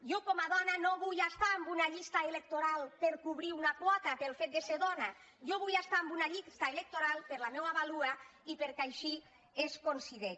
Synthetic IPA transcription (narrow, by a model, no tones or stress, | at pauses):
jokɔmaðɔnanoβujast̪aːmbunaʎist̪aelek̚t̪oɾalˠpeɾkuβɾiunapwɔt̪apelˠfet̪̚d̪eseɾðɔna | joβujast̪aːmbunaʎist̪aelek̚t̪oɾalˠpeɾlamewaβaluaipeɾkajʃi | eskonsiðe